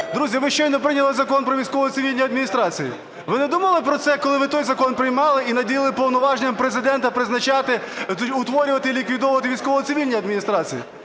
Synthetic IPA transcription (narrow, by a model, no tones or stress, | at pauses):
d̪ɾuzʲjɐʋɪʃt͡ʃɔjnɛpɾɪnʲɐlˠɪzɐkɔnpɾɔʋʲijsʲkɔʋɔjt̪ɪʋʲilʲnʲijɐd̪minʲist̪ɾɑt͡sʲijḭ | ʋɪnɛd̪umɐlˠɪpɾɔt̪sɛkɔlˠɪʋɪt̪ɔjzɐkɔnpɾɪjmɑlˠɪinɐdʲijɪlˠɪpɔwnɔʋɑʒnʲɛmpɾezɪd̪ɛnt̪ɐpɾɪznɐt͡ʃɑt̪ɪʊt̪ʋɔɾʲʊʋɐt̪ɪlʲikʋʲid̪ɔʋʊʋɐt̪̬ɪʋʲijsʲkɔʋɔjɔt̪sɪʋʲilʲnʲijɐd̪mʲinʲist̪ɾɑt͡sʲijḭ